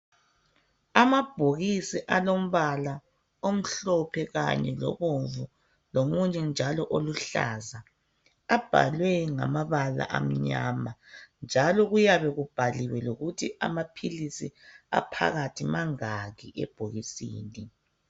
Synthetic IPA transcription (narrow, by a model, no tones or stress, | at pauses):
amab̥ʱoɣisiʔalom̩βala | om̩ɬɔpʰɛɣa̰ɲɛlɔ̰βoɱvu | lomuɲɛnd͡ʒʱalɔʔoluɬa̰za | ab̥ʱa̰lwɛŋa̰maβala̰ʔam̩ɲa̰ːmand͡ʒʱalɔɣujaβɛɣub̥ʱaliwɛloɣutʰia̰mapʰilisia̰pʰa̰ɣatʰimaŋaɣiʔɛ̰b̥ʱoɣisḭːni